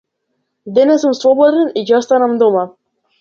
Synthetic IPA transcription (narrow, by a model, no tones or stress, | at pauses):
d̪ɛnɛsumsvˠɔbɔd̪ɛnicɔst̪anamd̪ɔma